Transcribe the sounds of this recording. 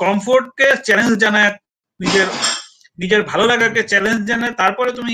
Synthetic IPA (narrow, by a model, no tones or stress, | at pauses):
kɔmfoɾʈ̚ket͡ɕɛlend͡ʑd͡ʑanae | nid͡ʑeɾ | nid͡ʑeɾbʱalolaɡaket͡ɕɛlend͡ʑd͡ʑanaet̪aɾpɔɾet̪umi